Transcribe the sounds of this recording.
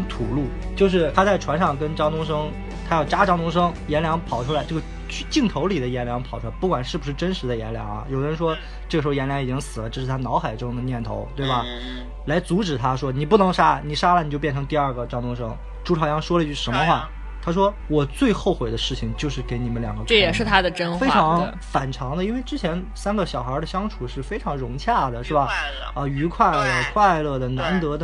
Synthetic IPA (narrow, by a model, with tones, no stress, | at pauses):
t̪ʰu˨˩lu˥˩t͡ɕjo˥˧ʊʂ̬ɻ̩˥˩t̪ʰa˥t͡sa˥˩ɪʈ͡ʂʰwa˧˥nʂɑ˥˩ŋkə˥nʈ͡ʂɑ˥ŋt̪ʊ˥ŋʂ̬ɤ˥ŋ | t̪ʰa˥jɑ˥˩ʊʈ͡ʂa˥ʈ͡ʂɑ˥ŋt̪ʊ˥ŋʂ̬ɤ˥ŋjɛ˧˥nljɑ˧˥ŋpʰɑ˨˩ʊʈ͡ʂʰu˥la˧˥ɪʈ͡ʂɤ˥˩ə˧ | t͡ɕʰy˥˧t͡ɕi˥˩ŋt̪ʰo˧˥ʊli˨˩d̪ə˦jɛ˧˥nljɑ˧˥ŋpʰɑ˨˩ʊʈ͡ʂʰu˥a˧˥ɪpu˥˩kwa˨˩nʂɻ̩˥˩bu˩ʂɻ̩˥˩ʈ͡ʂə˥nʂɻ̩˧˥d̪ə˧jɛ̰˧˥nljɑ̰˧˥ŋɐ̰˧jo˨˩ʊ˧ɻə˧˥nʂ̬wɔ˥ | ʈ͡ʂɤ˥˩ɡʂ̩˧˥˧jɛ˧˥nljɑ˧˥ŋi˨˩t͡ɕi˥ŋsɹ̩˨˩lə˦ʈ͡ʂɤ˥˧ʂɻ̩ʰ˥˩a˥nɑ˧˥ʊxa˨˩ɪʈ͡ʂʊ˥ŋd̪ə˨njɛ˥˩nt̪ʰo̰˧˥ʊt̪we˥˩ɪbɐ˩ | la˧˥ɪt͡su˧˥ʈ͡ʂɻ̩˨˩t̪ʰa˥ʂwɔ˥ni˨˩p̬u˥˩nɤ˧˥ŋʂa˥ni˨˩ʂa˥lə˨ni˨˩t͡ɕjpjɛ˥˩nʈ͡ʂʰɤ˧˥ŋt̪i˥˧ɐ˞˥˧˩ɡə˩ʈ͡ʂɑ˥˧ŋt̪ʊ˥ŋʂɤ˥ŋ | ʈ͡ʂu˥ʈ͡ʂʰɑ˨˩ʊjɑ˥˧ŋʂwɔ˥lə˧i˥t͡ɕʰy˥˩ʂə˧˥mə˧xwa˥˩ | t̪ʰa˥ʂ̬wɔ˥ | wɔ˨˩t͡swe˥˧ɪxo˥˩ʊxwe˨˩ɪd̪ə˦ʂɻ̩˥˩t͡ɕʰi˩ŋt͡ɕjo˥˧ʊʂɻ̩˥˩ke˧˥ɪni˨˩mə˦nljɑ̰˨˩ŋɡə˦˥˩jɛ˨˩ʂɻ̩˥˩t̪ʰa˥d̪ə˨ʈ͡ʂə˥nfe˥ɪʈ͡ʂʰɑ˧˥ŋ | fa˨˩nʈ͡ʂʰɑ˧˥ŋd̪ə˧i˥nwe˥˧ɪʈ͡ʂɻ̩˥t͡ɕʰjɛ˧˥n | sa˥nɡə˨ɕjɑ˨˩ʊxə˞˧˥d̪ə˧ɕjɑ˥ŋʈ͡ʂʰu˨˩ʂɻ̩˥˩fe˥ɪʈ͡ʂʰɑ˧˥ŋɻʊ˧˥ŋt͡ɕʰja˥˩d̪ə˩ʂɻ̩˥˩bɐ˩ | ə˧y˧˥kʰwa˥˩ɪlkʰwa˥˧ɪlɤ˥˩d̪ə˩na˧˥nt̪ɤ˧˥d̪ə˧